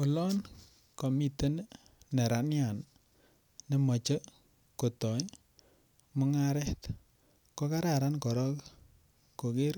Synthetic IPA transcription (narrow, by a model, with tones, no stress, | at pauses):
o˨lɔ˦n | kɔ˨mi˦tə˦n˦ | nɛ˨ɾa˨nja˨n | ne˦mɔ˨t͡ʃə˦ | ko˨tɔ˨j | mʊ˦ŋa˦ɾɛ˦t̪ | kɔ˦ka˦ɾa˨ɾa˦nkɔ˨ɾɔ˦k | ko˨ke˦ɾ